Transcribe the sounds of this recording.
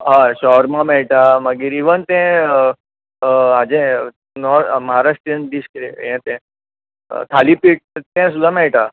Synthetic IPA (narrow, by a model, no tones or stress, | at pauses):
ɦãɕɔɾmãmɛɭʈ̪aməɡiɾiʋənt̪ɛ̃ | ad͡ʑɛ̃ | nɔɾməɦaɾaʂʈɾənd̪iskɾejɛ̃t̪ɛ̰̃ | t̪ʰalipiʈ̚t̪ɛ̃sud̪ʱãmɛɭʈ̪a